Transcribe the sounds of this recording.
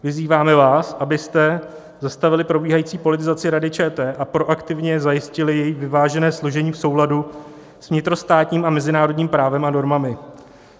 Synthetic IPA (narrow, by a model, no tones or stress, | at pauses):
vɪziːvaːmɛvaːsʔabɪst̪ɛ | zast̪avɪlɪpɾo̞biːɦajiːt͡siːpo̞lɪt̪ɪzat͡sɪɾadɪt͡ʃɛːt̪ɛːʔapɾo̞ʔakt̪ɪvɲɛzajɪscɪlɪjɛjɪvɪvaːʒɛnɛːsloʒɛɲiːfso̞wladu | svɲɪt̪ɾo̞st̪aːt̪ɲiːmamɛzɪnaːɾodɲiːmpɾaːvɛmano̞ɾmamɪ